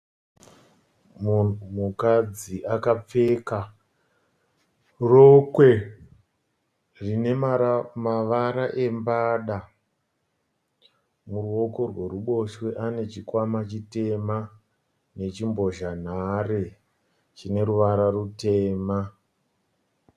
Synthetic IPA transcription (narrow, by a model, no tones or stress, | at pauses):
mukad͡ziʔakap͡fe̞ka | rokwe̞ | rine̞mamaʋaɾaʔe̞mbaːɗa | muruo̞ko̞rwe̞ruɓo̞ʃwe̞ʔane̞t͡ʃikwamat͡ʃite̞ma | ne̞t͡ʃimbo̞ʒan̤are | t͡ʃine̞ɾuʋaɾarute̞ːma